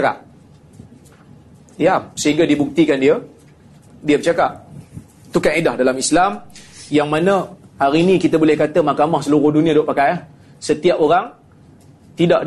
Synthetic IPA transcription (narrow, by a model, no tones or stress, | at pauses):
ka̰p̚ | diap̚səɦiŋɡadibuk̚t̪ikandiə | diəbət͡ʃakaʔ̚ | t̪ukanedahdalamislamjaŋmanəhaɾinĩkit̪abolɛhkat̪əmakamahsəluɾʊhdunĩadoʔpakajah | sət̪iapoɾaŋ | t̪idaʔ